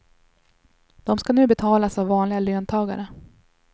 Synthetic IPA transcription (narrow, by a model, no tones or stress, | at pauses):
d̪̥ɔmskanʉ̟ːbɛt̪ʰɑːlasavːɑːnlɪɡaløːnt̪ʰɑːɡa̰ɾə